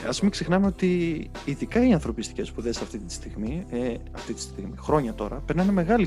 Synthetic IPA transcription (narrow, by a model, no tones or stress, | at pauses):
ɐspumɐksexnɐmeo̞t̪iː | ðikɐiiɐ̃nθɾo̞pist̪i̥ce̞spuðe̞sɐft̪it̪i̥st̪iɣmiɐft̪it̪i̥st̪iɣmixɾo̞ɲɐt̪o̞̰ɾɐpeɾnɐneme̞ɣɐli